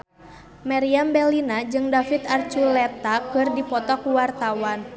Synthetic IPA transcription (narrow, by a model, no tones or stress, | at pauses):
maɾiambɛlinad͡ʒɨŋdafit̪art͡ʃulɛt̪akɨrdipɔt̪ɔkuwart̪awan